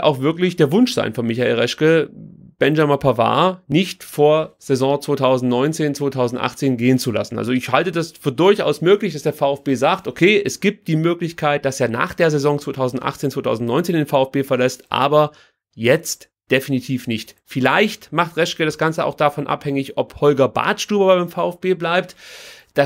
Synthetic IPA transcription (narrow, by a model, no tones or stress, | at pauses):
ʔa̰ʊxv̥ɪɐklɪçd̥eːɐvʊnʃz̥a̰ɪnfɔɐnmɪçaʔeːlʁɛʃkəb̥ɛnʒamapʰava̰ːnɪçtfoːɐz̥ezɔ̃ːt͡sv̥oːtʰaʊzn̩tnɔʏnt͡seːnt͡sv̥oːtʰaʊzn̩tʔa̰χt͡seːnɡeːənt͡sula̰sn̩ʔa̰lzoɪçhaltədasfyːɐdʊɐçʔa̰ʊsmøːklɪçd̥asd̥eːɐfaʊɛfb̥eːzaːktʔokʰeːʔɛsɡ̥iːp̚t̚d̥iːmøːklɪçkʰaɪt̚d̥aseːɐna̰ːχd̥eːɐzɛzɔ̃ŋt͡sv̥oːtʰaʊzn̩tʔa̰χt͡seːnt͡sv̥oːtʰaʊzn̩tnɔʏnt͡seːndeːnfaʊɛfb̥eːfɐlɛstʔa̰ːbɐ | jɛt͡st | d̥efinitʰiːfnɪçtfɪlaɪçtmaχtʁɛʃkəɾasɡ̥ant͡səa̰ʊxd̥afɔnʔa̰phɛŋɪçʔɔphɔlɡɐba̰ːtʃtuːbɐbaɪaɪmfaʊɛfb̥eːblaɪp̚td̥a